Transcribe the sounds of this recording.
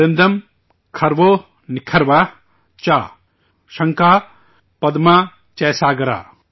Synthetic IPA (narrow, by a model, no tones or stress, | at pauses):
end̪ɐm | kʰɐɾʋo | nikʰɐɾʋa | t͡ʃa | ʃɐŋkaː | pɐd̪ma | t͡ʃɐːsaːɡɐɾa̰ː